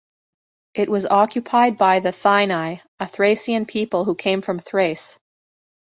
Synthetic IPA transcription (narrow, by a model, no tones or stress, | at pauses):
ʔɨʔ̚wʔʌzɑkʰjɨpʰaɪd̚baɪðɨθãɪ̃naɪ | ɨθɹeɪsiɨ̃npʰipl̩ˠhukʰẽɪ̃ɱfɹʌ̃mθɹeɪs